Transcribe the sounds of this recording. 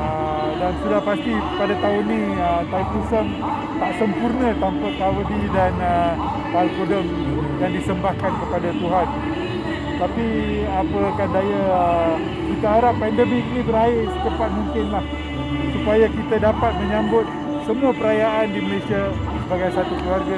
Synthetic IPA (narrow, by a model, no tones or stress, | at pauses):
ə | dansudahpast̪ipadat̪aʊnːĩ | ət̪aut̪usəm | t̪aʔsəmpurnə̃t̪ampat̪awədidanə | palkodəŋ | jaŋdisəmbahkankəpadat̪uɦan | t̪api | apəakandaja | kit̪aɦaɾapːɛndəmiknĩbəɾaɪrsət̪əpat̪̚muŋkɪnlah | supajakit̪adapat̪̚mə̃ɲãmbʊt̪̚ | səmũapəɾajaʔandiməlesia | səbaɡajsat̪ukluwarɡa